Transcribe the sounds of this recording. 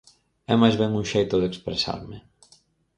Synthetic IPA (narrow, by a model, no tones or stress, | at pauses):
ɛmajzβɛŋuŋʃejt̪ʊðekspɾesa̰ɾmɪ